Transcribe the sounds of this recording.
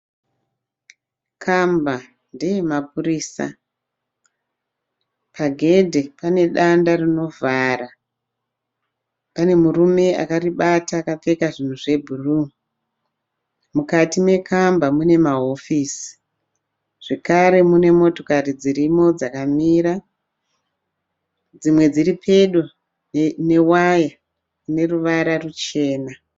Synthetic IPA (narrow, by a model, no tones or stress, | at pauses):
kʰamba | ndejemap̚uriːsa̰ | paɡʱe̞dʱe̞pane̞ɗandarino̞vʱaːɾa | pane̞murume̞a̰kariɓataːkap͡fe̞kaʐin̤uʐe̞bʱuru | mukatime̞kʰambamune̞maɦofisi̥ | ʐ̥e̞kaɾe̞mune̞mo̞to̞karid͡ziɾimo̞d͡zakamiːɾa | d͡zimwe̞d͡ziripʰe̞ɗu | ne̞waja | ine̞ruʋaɾarut͡ʃe̞ːna